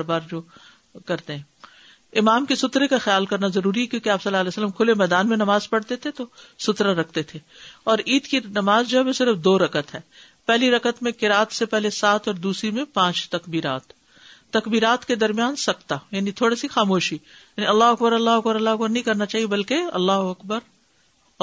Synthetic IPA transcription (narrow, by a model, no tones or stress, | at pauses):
bɾbaːɾd͡ʒoː | kɐɾt̪eɦɛ̃ː | ɪmaːmkisʊt̪ɾekaxɪjaːlkɐɾnazɐɾuːɾiɦɛkjõːkeaːpsɐlːaɦɐlɛːsəlːəmkʰʊlemɛːd̪aːnmẽnɐmaːzpɐɽt̪et̪ʰet̪osʊt̪ɾaɾɐkʰt̪et̪ʰe | ɔːɾiːd̪kinɐmaːzd͡ʒoɦɛbosɪɾəfd̪oːɾɐkət̪ɦɛː | pɛɦliɾɐkət̪mẽkɪɾaːt̪sepɛɦlesaːt̪ɔːɾd̪uːsɾimẽpãːt͡ʃt̪ɐkbiːɾa̰ːt̪ː | ɐkbiːɾaːt̪ked̪ɐɾmijaːnsɐk̚t̪ajaːnit̪ʰoːɽisixaːmoːʃijaːniɐlːaːɦʊɐk̚bəɾɐlːaːɦʊɐkbəɾɐlːaːɦʊɐkbəɾnɐɦĩkɐɾnat͡ʃaːɦiebɐlkeɐ̰lːaːɦʊɐkbəɾ